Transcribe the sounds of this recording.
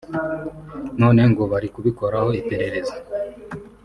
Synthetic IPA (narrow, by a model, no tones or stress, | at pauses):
no̞ːne̞ŋɡoβaɾikuβiko̞ɾaho̞ipe̞ɾe̞ɾe̞zḁ